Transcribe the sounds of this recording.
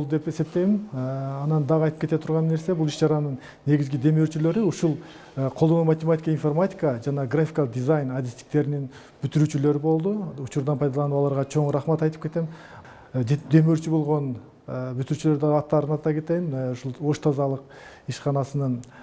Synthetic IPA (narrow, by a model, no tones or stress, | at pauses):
lˠd̪e̞pe̞se̞p̚t̪e̞jmɪnɑnɑnd̪ɑʁɑjt̪ɯ̥pkʲe̞t̪et̪ʰuɾʁɑnːe̞ɾse̞bulˠiʃd͡ʒɑɾɑnɯɴ | ne̞ɡʲizɡid̪e̞møɾt͡ʃylø̞ɾiuʃulˠ | qʰod̪o̞numat̪ʲemat̪ʲi̥kəinformatʲi̥kəd͡ʒɑnɑɡrafʲi̥kalˠəq̚d̪ʲizajnad̪ʲist̪i̥k̚t̪e̞ɾinin | b̥yt̪yɾyt͡ʃylø̞ɾibo̞lˠd̪uut͡ʃuɾd̪ɑnpʰɑjd̪ɑlˠɑnuɑlˠɑɾʁɑt͡ʃʰo̞ɴɾɑχmɑt̪ɑjt̪ɯpkʰe̞t̪e̞m | d̪e̞møɾt͡ʃybo̞lˠʁo̞n | byt̪yɾyːt͡ʃylø̞ɾd̪ɑʁɑt̪ːɑɾɯnɑt̪ɑke̞t̪e̞jnuʃulˠo̞ʃt̪ʰɑzɑlˠəqiʃqɑnɑsɯnɯn